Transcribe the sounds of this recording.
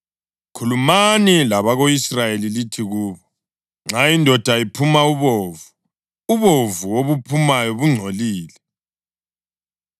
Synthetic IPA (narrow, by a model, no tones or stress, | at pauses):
kʰulumanilaβaɣoisrajelilitʰiɣuːβɔ | ŋ͡ǁajindʱɔd̥ʱaipʰumauβoːvu | uβovuwoβupʰumajɔβuŋ͡ǀʱoliːlɛ